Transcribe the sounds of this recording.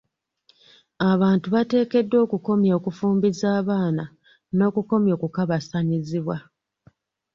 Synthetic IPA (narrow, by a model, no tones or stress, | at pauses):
aβaːntuβate̞ːke̞dːo̞ːkuko̞mjo̞ːkufuːmbizaːβaːna | no̞ːkuko̞mjo̞ːkukaβasaɲiziβwa